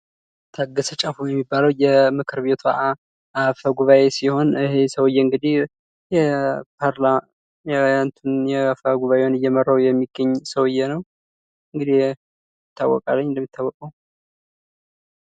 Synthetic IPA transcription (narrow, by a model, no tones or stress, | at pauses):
t̪ʰaɡəsət͡ʃʼafujɛmːibːaləwjɛmɨkʰɨɾβe̞t̪ʰua̰ʔa | ʔafəɡuβaesiho̞nɨhe̞səwɨjːɛɨŋɡɨd̪ih | jɛpaɾl | jɛant̪ʰunjɛfəɡuβaʔewnɨjːɛmərːawjɛmːiɡːəɲːsəwɨjːɛnəw | ɨŋɡɨd̪ih | ɪt̪ʰːawːɔ̰kʼa̰lːəɲːɪnd̪əmːit̪ʰːawːɔkʼəw